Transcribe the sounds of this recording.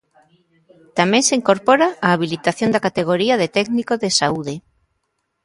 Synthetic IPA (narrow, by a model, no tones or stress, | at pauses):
t̪amẽŋseiŋkoɾpoɾaaːβ̞ilit̪aθjond̪akat̪eɣ̞oɾiaðet̪ɛɡnikoðesauðe